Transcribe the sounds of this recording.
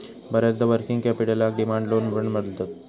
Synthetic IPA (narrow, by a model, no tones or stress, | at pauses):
bəɾat͡sd̪əʋəɾkiŋɡkɛpiɽəlak̚ɖimaɳɖlonbɾəɳməd̪lt̪ət̪